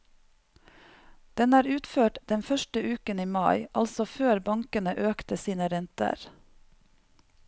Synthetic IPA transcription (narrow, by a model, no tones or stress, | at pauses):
d̪̥ɛnæːɾʉːt̪føːʈd̪̥ɛnfœʃʈəʉːkəniːmɑɪʔɑlsɔføːɾbɑŋkənəʔøːkt̪əsiːnəɾɛnt̪ə̰ɾ